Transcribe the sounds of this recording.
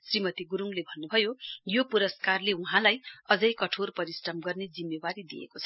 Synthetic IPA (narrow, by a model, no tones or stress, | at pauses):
srimʌt̪iɡuɾuŋlebʱʌnːubʱʌjojopuɾʌskarleuɦãlajʌd͡zʌjkʌʈʰorpʌɾisʈʌmɡʌrned͡zimːebaɾid̪ḭḛkot͡sʰʌ̥